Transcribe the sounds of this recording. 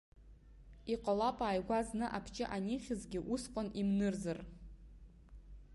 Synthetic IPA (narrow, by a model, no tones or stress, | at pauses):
iqʼalapʼaːjɡʷaznɨʔapʰt͡ʃʼɪʔanʲiχʲɪzɡʲɪʔusqʷʼanimnɨrzar